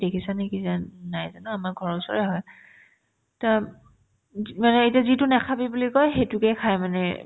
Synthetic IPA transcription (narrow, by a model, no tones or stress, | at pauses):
dekʰisanikizanajzanʊamaɹɡʱɔɹɔʊsɔ̰ɹɛɦɔj | ta | manɛejtiazitʊnɛkʰabibulikɔjɦejtʊkɛkʰajmanɛ̰